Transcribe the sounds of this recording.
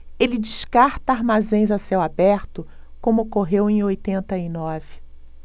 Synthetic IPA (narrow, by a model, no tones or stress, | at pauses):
elɪd͡ʒiʃkaɾt̪ɐaɾmazẽj̃zasewabɛɾt̪ʊ | kõmʊokoɦewẽj̃ojt̪ẽnt̪ɐɪnɔvɪ